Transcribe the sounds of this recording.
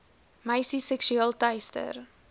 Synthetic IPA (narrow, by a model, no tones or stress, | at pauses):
mɐjsisɛkʃyɛlˠtɐjstə̰r